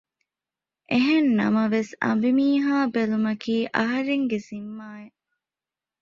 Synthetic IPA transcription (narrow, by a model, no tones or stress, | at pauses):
ʔeɦenːɐ̰mɐʋesɐ̰mbimiːɦaːbelumɐkiːʔɐɦɐɾeŋɡezimːaːe